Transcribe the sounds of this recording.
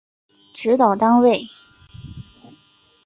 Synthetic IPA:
ʈ͡ʂɻ̩˧˥t̪ɑ˨˩ʊt̪ɑ˥ŋwe˥˩ɪ

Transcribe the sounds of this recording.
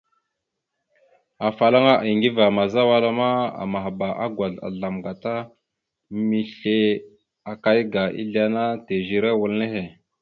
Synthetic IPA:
a˨fa˨la˦ŋa˦ʔi˨ŋɡi˦va˨ma˨za˦wa˦la˦ma˦a̰˨ma˨ɦba˨ʔa˦ɡwa˨ɮa̰˨ɮa˨mɡa˨ta˦ | mi˨ɬe˦ | a˨ka˦jɡa˨ḭ˦ɮi˦a˦na˦te˨ʒi˨ɾe˦wu˨lne˦he˨

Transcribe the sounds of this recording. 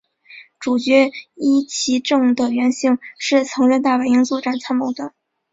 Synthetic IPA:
ʈ͡ʂu˨˩t͡ɕɥɛ˧˥i˥t͡ɕʰi˧˥ʈ͡ʂɤ˥˩ŋd̪ə˩ɥɛ˧˥nɕi˥˩ŋʂɻ̩˥˩t͡sʰɤ˧˥ŋɻə˥˧nt̪a˥˩we˧˥ɪi˥ŋt͡swɔ˥˧ʈ͡ʂa˥˩nt͡sʰa˥nmɤ˧˥ŋd̪ə˧

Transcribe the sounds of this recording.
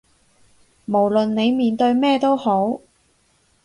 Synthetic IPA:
mo˨˩wlɵ˨nne˨˧jmiː˨nt̪ɵ˧ɥmɛː˥˧t̪o˥who˨˥w

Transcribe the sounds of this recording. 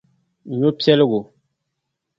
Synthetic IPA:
ɲo˦pjɛ˦lɡo˨

